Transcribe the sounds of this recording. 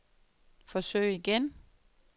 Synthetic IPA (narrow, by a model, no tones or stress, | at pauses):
fɒ̽sø̰ɪ̰iɡ̥en